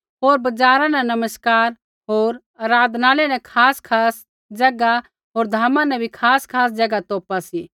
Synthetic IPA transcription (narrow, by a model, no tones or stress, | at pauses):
ɦoːɾbɐd͡ʒaːɾãnɛ̃nɐməskaːɾ | ɦoːɾ | aːɾaːd̪ʱnaːlenɛ̃kʰaːskʰaːs | d͡ʒɐɡa | ɦoːɾd̪ʱaːmãnɛ̃bʱikʰaːskʰaːs̬d͡ʒɐɡat̪oːpasiː